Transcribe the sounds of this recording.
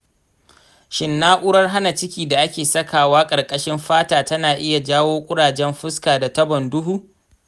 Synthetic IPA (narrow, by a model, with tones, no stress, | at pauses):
ʃɪ˨nːaː˦ʔʷʊ˦ɽɐ˦rɦa˦na˨t͡ʃɪ˦kʲiː˨da˨ʔa˦kʲeː˨sɐ˦kaː˨waː˦kʼɐ˨rkʼɐ˦ʃɪ˦mɸaː˦taː˨tɐ˦naː˨ʔɪ˦ja˨d͡ʒaː˦woː˦kʷʼʊ˦ɽaː˨d͡ʒɛ˦mɸɪ˦skaː˨da˨tɐ˦bɔ˨ndʊ˦ɦuː˦